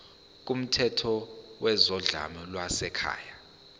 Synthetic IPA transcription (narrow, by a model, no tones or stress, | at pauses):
k̬ʼum̩tʰɛtʰɔwɛzɔɮa̰mɔlwasɛkʰa̰ːja